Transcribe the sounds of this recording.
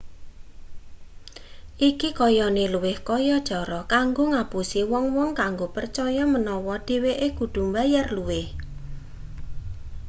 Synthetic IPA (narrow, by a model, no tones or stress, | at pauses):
ʔikikɔjɔneluwɪhkɔjɔd̥ʒ̥ɔɾɔkaŋɡoŋapusiwɔŋwɔŋkaŋɡopərt͡ʃɔjɔmənɔwɔɖ̥e̤weʔeɡ̥ud̪̥ṳmbajarluwɪh